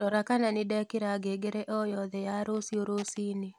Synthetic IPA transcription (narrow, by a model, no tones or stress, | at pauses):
ɔɾakananɪdɛkɪɾaɡeɡeɾeʔɔjɔðɛjaɾosioɾosini